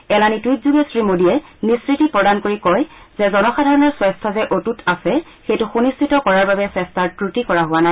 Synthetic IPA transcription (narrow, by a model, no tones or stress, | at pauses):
ɛlanitwitzuɡesɹimodiɛniskɹitipɹɔdankoɹikɔj | zɛzɔnɔxadʱaɹɔnɔɹswɛstʰɔzɛʔotutʰasɛ | xejtʊxunistʰitɔkɔɹaɹbabɛsɛstʰaɹpɹutikɔɹaɦʊana